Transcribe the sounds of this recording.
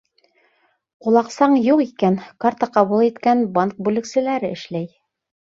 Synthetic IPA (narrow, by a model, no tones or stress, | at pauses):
qulˠɑqsɑɴjuqikænkart̪ɑqɑβulˠit̪kænbaŋk̚bʉlɘ̆ksɘ̆læɾɘɘ̆ʃlæj